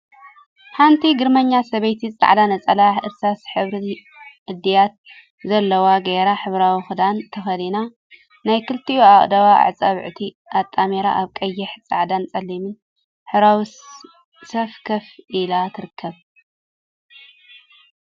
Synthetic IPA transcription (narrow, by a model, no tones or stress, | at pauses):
ħant̪ʰiɡɨɾmɐɲːasɐβɐjt̪ʰit͡sʼa̰ʕd̪anɐt͡sʼɐlaħɨɾsasħɨβɾi | ʔɨd̪ːijat̪̚ | zɐlːɐwaɡeɾaħɨβɾawixɨd̪ant̪ʰɐxɐd̪ina | najkɨlt̪ʰiuaχʼd̪ɐβaa̰ʕt͡sʼaβʕt̪ʰi | ʔat̪ʼːameɾa̰ʔaβkʼɐjːɪħt͡sʼa̰ʕd̪ant͡sʼɐlːimɨn | ħɨɾawi | sɐfkʰɐfʔilat̪ʰɨɾɨkʰːɐβ